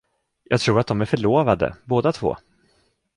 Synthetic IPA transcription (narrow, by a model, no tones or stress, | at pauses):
jʔɑːɡt̪ʰɾuːɾat̪̚d̪ɔmæɾfœɭoːvad̪ə̰boːd̪at̪ʰv̥o̰ː